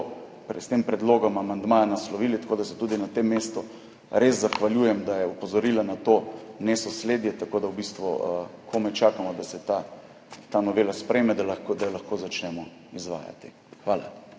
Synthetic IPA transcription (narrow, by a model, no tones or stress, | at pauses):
pɾɛst̪empɾɛd̪loːɡɔmamand̪maːjanaslɔʋiːlit̪ḁkoːd̪asɛ̥t̪uːd̪inat̪emːeːst̪ɔ | ɾezzaxʋaljuːjɛmd̪ajɛupɔzɔɾiːlanat̪oːnesɔsleːd̪jɛt̪akoːd̪awbist̪ʋuəkʰomɛt͡ʃaːkamɔd̪asɛt̪a | t̪anɔʋeːlaspɾɛːmɛd̪alkd̪ajlaxkoːzat͡ʃnɛmɔ | izʋa̰ːja̰t̪i | xʋaːla̰